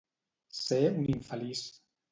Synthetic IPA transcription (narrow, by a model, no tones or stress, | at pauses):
seuniɱfalis